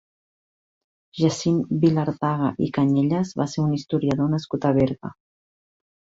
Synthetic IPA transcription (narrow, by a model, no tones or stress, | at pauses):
ʒasimbilaɾt̪aɣaʔikaɲeʎəzβaseunist̪uɾiaðonəskut̪aβeɾɣa̰